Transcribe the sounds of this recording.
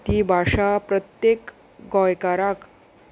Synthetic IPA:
t̪ibʱaʂapɾət̪jek | ɡɔjkaɾak

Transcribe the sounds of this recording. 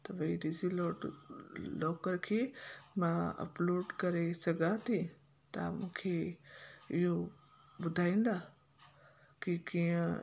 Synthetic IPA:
t̪ɐʋɐiɖizilo | loːkəɾkʰeːmãɐ̰ploːɖkɐɾesɐɡʱat̪ʰĩ | t̪a̰mũːkʰe | ɪɦo | bʊd̪ʱaːĩːnd̪aː | kikiːə̃

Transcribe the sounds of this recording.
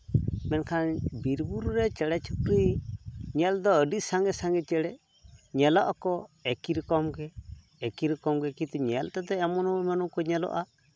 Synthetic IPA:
mɛnkʰanbiɾbuɾɾɛt͡ʃɛɽɛt͡ʃʰukɾi | ɲɛld̪ɔəɖisaŋɡɛsaŋɡɛt͡ʃɛɽɛ | ɲɛlɔʔakɔɛkiɾkɔmɡɛː | kiɾkɔmɡɛkĩt̪uɲɛltat̪ɛɛmɔnɔmɛnɔkɔɲɛlɔ̰ʔa

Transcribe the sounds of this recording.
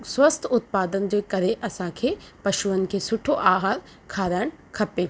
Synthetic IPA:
swɐst̪ʰʊt̪̚paːd̪ənd͡ʑeːkɐɾeʔɐsãkʰeːpɐʃuənɪ̆kʰesʊʈʰoʔaːɦaːɾ | kʰaːɾaːɪɽ̃kʰɐpeː

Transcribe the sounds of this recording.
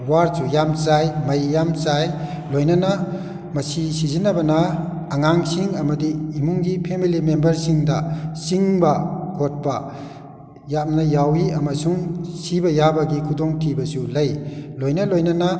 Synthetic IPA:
waɾsujamsajmɐjːamsaj | lojnɐnɐ | mɐsisizinɐbɐnɐː | ŋaŋsiŋɐmɐdiːmuŋɡipʰemilimembɐɾsiŋdɐsiŋbɐɡot̚pɐ | jam̚nɐjawiɐmɐsuŋsibɐjabɐɡikʰudoŋtʰibɐsulɐjlojnɐlojnɐnɐ

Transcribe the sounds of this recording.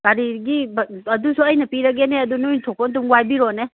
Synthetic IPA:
b̥aɾiɡibɐdusuɐjnɐpiɾɐɡeneɐdunujntʰɔk̚pɔnt̬uŋwajbiɾone

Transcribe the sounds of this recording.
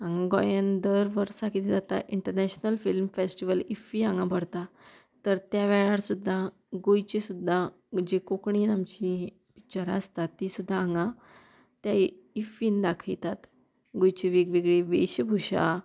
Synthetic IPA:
ãŋɡãɡɔjənd̪əɾʋəɾsakit̪d͡zat̪a̰ʔiɳʈəɾnɛɕnəlfilmfesʈiʋəlifiãŋɡãbʱəɽt̪a | t̪əɾt̪jaʋɛɭaɾsud̪ʱːa | ɡojt͡ɕesud̪ʱːa | d͡ʑekokɳiːnamt͡ɕi | pit͡ɕaɾa̰st̪at̪ːisud̪ʱːaːŋɡã | t̪ja | ifiːnd̪akʰəjt̪at̪ | ɡojt͡ɕeʋikʋiɡɭeʋḛɕbʱuɕa̰

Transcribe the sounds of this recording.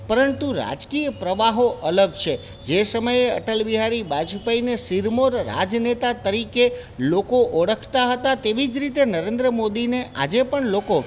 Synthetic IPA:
pəɾənt̪uɾa̰d͡ʒkijəpɾəʋaɦoʔələɡt͡ʃʰe | d͡ʒesəməjeə̰ʈəlʋiɦaɾibad͡ʒupainesiɾmoɾːa̰d͡ʒnet̪at̪əɾike | lokoʔoɽəkʰt̪aɦət̪at̪eʋid͡ʒɾit̪enəɾend̪ɾəmod̪ineʔa̰d͡ʒepəɳloko

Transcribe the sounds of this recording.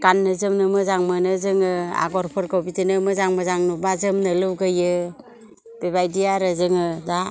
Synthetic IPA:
kanːɯzɯmnɯmɯzaŋmɯnɯzɯŋɯa̰ɡɔɾpʰɯɾkobitinɯmɯzaŋmɯzaŋnubazɯmnɯlɯwɡɯjɯ | b̥ebajdijaɾɯzɯŋɯda

